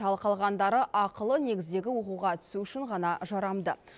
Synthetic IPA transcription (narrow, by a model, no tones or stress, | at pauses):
ɑlˠqɑlˠʁɑnd̪ɑɾəʔɑqəlˠəne̞ɡʲɪzd̪e̞ɡʲɪwo̞quʁɑt̪ʰʏ̥suʏʃɪɴʁɑnɑʒɑɾɑmd̪ə̰